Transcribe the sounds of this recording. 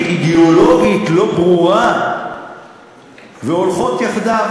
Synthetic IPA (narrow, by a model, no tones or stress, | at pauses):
id̪eoloɡit̪lobʁua | veolfot̪jaχd̪a